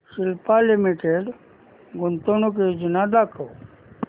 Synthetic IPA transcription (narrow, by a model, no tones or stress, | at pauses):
silpalimiʈeɖ | ɡʊnt̪onok̬ed͡ʒinad̪akʰə